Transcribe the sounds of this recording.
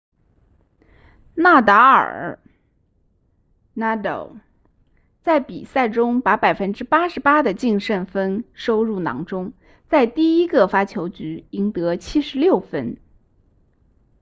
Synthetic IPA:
na˥˩t̪a˧˥ə̰˞˨˩ | na˥d̪o̰˨˩ʊ | t͡sa˥˩ɪpḭ˨˩sa˥˩ɪʈ͡ʂʊ˥ŋpa˧˥pa˨˩ɪfə˥nʈ͡ʂɻ̩˥pa˥ʂɻ̩˧˥pa˥d̪ə˨t͡ɕi˥˧ŋʂə˥˩nfə˥nʂo˥ʊɻu˥˩nɑ̰˧˥ŋʈ͡ʂʊ˥ŋ | t͡sa˥˧ɪt̪i˥˩i˥ɡə˨fa˥t͡ɕʰjo˧˥ʊt͡ɕy˧˥i˧˥ŋt̪ɤ˧˥t͡ɕʰi˥ʂɻ̩˧˥ljo˥˩ʊfə˥n

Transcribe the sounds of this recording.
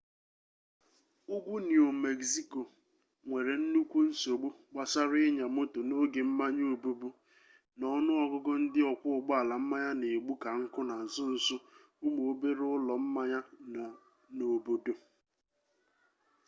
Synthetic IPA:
ʊ˦ɡʷu˦ni˨o˨me˨ɡsi˦ko˨ | ŋʷe˨ɾe˨n̩˦nu˦kʷu˦n̩˦so˨ɡ͡bu˦ɡ͡ba˨sa˦ɾʊ˦ɪ˦ɲa˨mo˦to˨no˦ɡe˨m̩˦ma˦ɲo˦˨o˨bo˦bu˦ | nɔ˦nʊ˦ɔ˨ɡʊ˦ɡʊ˦n̩˦dɪ˦ɔ˨kʷʊ˦ʊ˨ɡ͡bʊ˦a˨la˨m̩˦ma˦ɲa˦ne˨ɡ͡bu˦ka˨ŋ̩˦kʊ˦na˨zʊ˦n̩˨sʊ˦ | u˦mo˨o˦be˦ɾʊ˦lɔ˨m̩˦ma˦ɲa˦˨ | no˨bo˨do˨

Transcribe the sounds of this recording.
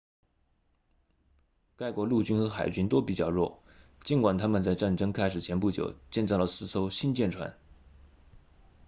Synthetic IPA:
ka˥˩ɪkwɔ˧˥lu˥˩t͡ɕy˥nxɤ˧˥xa˨˩ɪt͡ɕy˥nt̪o˥ʊpi˨˩t͡ɕjɑ˥˩ʊɻwɔ̰˥˩ | t͡ɕi˧˥nkwa˨˩nt̪ʰa˥mə˨nt͡sa˥˧ɪʈ͡ʂa˥˩nʈ͡ʂɤ˥ŋkʰa˥ɪʂɻ̩˨˩t͡ɕʰjɛ˧˥npu˥˩t͡ɕjo̰˨˩ʊt͡ɕjɛ˥˧nt͡sɑ˥˩ʊlə˨˩sɹ̩˥˩t͡sʰo˥ʊɕi˥nt͡ɕjɛ˥˩nʈ͡ʂʰwa̰˧˥n

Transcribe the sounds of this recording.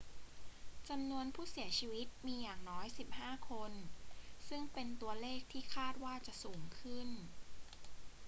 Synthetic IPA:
t͡ɕa˧mnu˧ənpʰuː˥˩si˨˩˦ɐt͡ɕʰiː˧wi˦˥t̪̚miː˧jaː˨˩ŋnɔː˦˥jsi˨˩p̚haː˥˩kʰo˧nsɯ˥˩ŋpe˧nt̪u˧ɐleː˥˩k̚t̪ʰiː˥˩kʰaː˥˩t̪̚waː˥˩t͡ɕa˨˩ʔsuː˩˦ŋkʰɯ˥˩n

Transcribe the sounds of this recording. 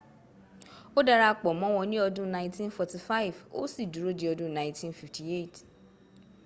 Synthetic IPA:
o˦da˧ɾa˦˧k͡pɔ˨mɔ̃˨˦wɔ̃˧nĩ˦ɔ˧dũ˦nã˧ĩ˦tĩ˦nfɔ˨ti˨fa˦i˨vo̰˦si˦˨du˨ɾo˦di˦ɔ˧dũ˦nã˨ĩ˦tĩ˦nfi˨fti˨e˦˨t

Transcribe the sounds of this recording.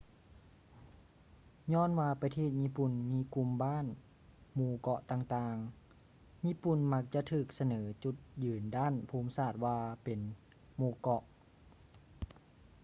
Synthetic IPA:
ɲɔː˧˥˨nwaː˧pa˧t̪ʰeː˧˩t̪̚ɲiː˧˥˨pu˨˩nmiː˧˥ku˧mbaː˥˨n | muː˧kɔ˧˩ʔt̪aː˧ŋt̪aː˧ŋ | ɲiː˧˥pu˨˩nma˧˥k̚t͡ɕa˧ʔt̪ʰɯː˧˨˩k̚sa˧nɤː˩˦t͡ɕu˧˩t̪̚jɯː˨˩ndaː˥˨npʰuː˧˦msaː˧˩t̪̚waː˧pe˨n | muː˧˩kɔ˧˩ʔ

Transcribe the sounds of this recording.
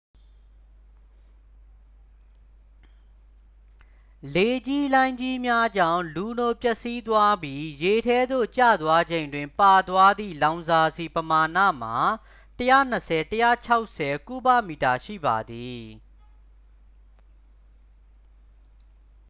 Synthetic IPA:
le˨d͡ʑi˦lã˦ɪ̃ɲd͡ʑi˦mja˦d͡ʑã̰˦˨ʊ̃lu˨no˨pjɛ˦˨ʔsi˦t̪wa˦bji˦je˨tʰɛ˦d̪o̰˦˨t͡ɕä̰˦˨d̪wa˦d͡ʑẽ˨ɪ̃ndwɪ̃˨mpa˨d̪wa˦d̪ḭ˦˨lã˨ʊ̃nza˨zi˨pəma˨nä̰˦˨m̥a˨ | təjä̰˦˨n̥əsʰɛ˨təjä̰˦˨t͡ɕʰa˦ʊʔsɛ˨ku˦ba̰˦˨mi˨ta˨ʃḭ˦˨ba̰˨d̪i˨

